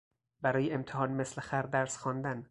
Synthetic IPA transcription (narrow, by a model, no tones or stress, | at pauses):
bæɾɒːjeemt̪ʰehɒːnmeslexæɾd̪æɾsxɒːnd̪æn